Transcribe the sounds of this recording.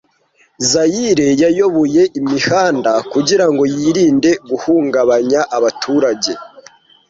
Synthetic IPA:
zajiɾe̞jajo̞βoje̞ʔimihaːndakuɟiɾaŋɡo̞jiːɾiːnde̞ɡuhuːŋɡaβaɲaʔaβatʰuːɾaɟe̞

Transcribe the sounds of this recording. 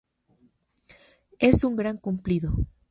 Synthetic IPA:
e̞suŋɡɾaŋkumpliðo

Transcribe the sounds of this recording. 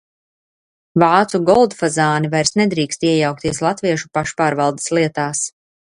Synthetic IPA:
vaːt̪suɡɔlˠd̪fazaːnivajɾsnɛd̪ɾiːkst̪iɛjawk̚t̪iɛslˠat̪viɛʃu̥paʃpaːɾvalˠd̪e̥slˠiɛt̪aːs

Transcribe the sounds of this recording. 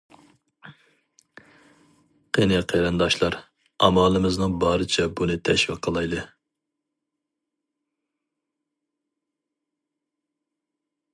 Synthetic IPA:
qʰenɛqʰeɾɨnd̪ɑʃlˠɑɾ | ɑ̰mɑːlˠɨmɨznɨŋbɑːɾɨt͡ʃʰɛbunɨt̪ʰɛʃwiqʰːəlˠɑjd̪ɨ

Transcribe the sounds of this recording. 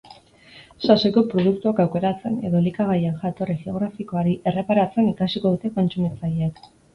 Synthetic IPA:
saseko̞pɾo̞ðuk̚t̪uakawke̞ɾat͡se̞ne̞ðo̞likaɣ̞ajenʝat̪o̞riɣeo̞ɣ̞ɾafiko̞aɾiʔe̞re̞paɾat͡se̞nikasiko̞ð̞ut̪e̞ko̞nt͡sumit͡saʎek

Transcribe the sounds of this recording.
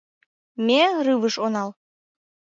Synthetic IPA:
mʲerɨvəʃonɑl

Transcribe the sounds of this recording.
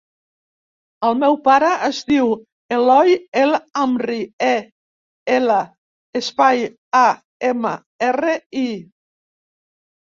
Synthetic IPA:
əlˠmɛwpaɾəʔəzdiw | elɔjelamrie | elə | espaj | a | emə̰ | erəi

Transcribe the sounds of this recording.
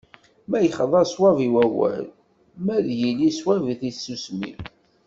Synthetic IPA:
mæjχəðˤɑɾswæviwæwæ̰l | mæðjiliswæviθisːusmḭ

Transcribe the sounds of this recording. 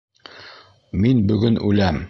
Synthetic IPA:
minbɵ̆ɡɵnʉlæm

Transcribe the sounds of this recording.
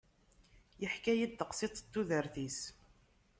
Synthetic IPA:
jəħkæjid̪ːəqsit̪ˤt̪ːuðəɾθis

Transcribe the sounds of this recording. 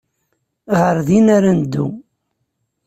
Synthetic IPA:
ʁəɾðinaɾand̪ːṵ

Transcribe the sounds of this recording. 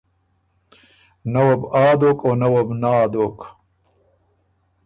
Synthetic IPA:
nɐwɐbaːd̪oːkoːnɐwɐbnaːd̪oːk

